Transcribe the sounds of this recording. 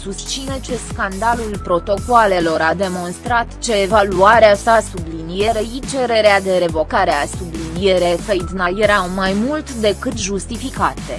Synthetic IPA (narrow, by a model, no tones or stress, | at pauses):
sust̪t͡ʃsinet͡ʃe̞skand̪alulpɾo̞t̪o̞koale̞lo̞ɾad̪e̞mo̞nst̪ɾat̪t͡ʃe̞ːvaluaɾeasasublinije̞ɾəit͡ʃe̞ɾe̞ɾead̪e̞ɾe̞vo̞kaɾe̞asublinije̞ɾe̞kəjid̪najeɾawmajmult̪d̪e̞kɨt̪ʒust̪ifikat̪e